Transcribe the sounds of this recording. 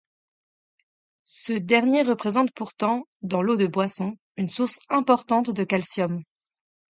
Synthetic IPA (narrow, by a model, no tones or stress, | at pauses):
səd̪ɛʁnjeʁəpχezɑ̃t̪̚puʁt̪ɑ̃d̪ɑ̃lod̪əbwasɔ̃ | ynsuʁsɛ̃pɔʁt̪ɑ̃t̪d̪əkalsjɔm